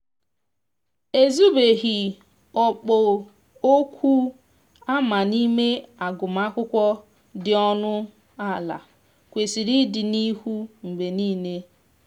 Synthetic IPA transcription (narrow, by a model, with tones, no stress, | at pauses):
e˦zu˦be˨ɦi˨ | ɔ˨k͡pɔ˨ | o˦kʷʰu˦ | a˦ma˨ni˦me˦a˨ɡʊ˨m˦a˦kʷʊ˦kʷɔ˦ | dɪ˨ɔ˦nʊ˦ | a˦˨la̰˨ | kʷe˨si˨ɾi˦dɪ˨ni˦hu˦ŋ͡m̩˨ɡ͡be˨niː˦ne˦